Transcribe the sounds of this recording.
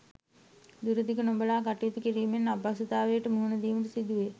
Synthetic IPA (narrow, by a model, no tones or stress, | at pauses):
d̪uɾəd̪ikənombəlaːkaʈijit̪ukiɾiːmenːabasut̪aːʋejːʈəmuɦunəd̪iːmət̪əsid̪uʋe